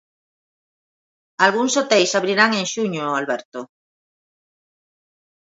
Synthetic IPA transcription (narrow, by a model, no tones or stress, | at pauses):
alɣuŋsot̪ejsaβɾiɾaŋẽŋʃuɲoalβɛɾt̪o